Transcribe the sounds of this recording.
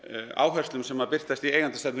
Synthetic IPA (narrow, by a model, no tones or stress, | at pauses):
a̰ːwɦœrst̪lʏmsɛmaɾpɪr̥t̪ast̪ieːjɣant̪ʏst̪at̪n